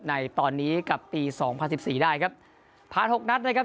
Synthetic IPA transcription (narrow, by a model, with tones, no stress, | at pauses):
na˧jt̪ɔː˧nːiː˦˥ka˨˩pːiː˧sɔː˩˦ŋpʰa˧nsi˨˩p̚siː˨˩daː˥˩jkʰa˦˥p̚ | pʰaː˨˧˩nho˨˩k̚na˦˥t̪̚lə˧jkʰa˦˥